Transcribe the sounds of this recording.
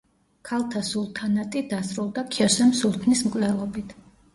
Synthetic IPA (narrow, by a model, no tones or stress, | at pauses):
kʰalˠt̪ʰasulˠt̪ʰanat̪ʼid̪asɾulˠd̪akʰiɔsɛmsult̪ʰnismkʼlɛlˠɔbit̪ʰ